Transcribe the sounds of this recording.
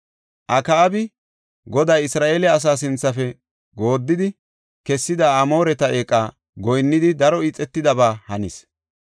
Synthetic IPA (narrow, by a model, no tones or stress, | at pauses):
ʔɐkɐːbɪ | ɡɔd̪ajɪsɾaːʔeːlɛɐs̬aːsɪnt͡sːɐfɛ | ɡo̞ːd̪ːɪd̪ɪ | kɛsːɪd̪ɐːmo̞ːɾɛt̪ɐʔeːkʼːaː | ɡɔjnːɪd̪ɪd̪ɐɾɔiːt͡sʼːɛt̪ːɪd̪ɐbaːhɐnɪs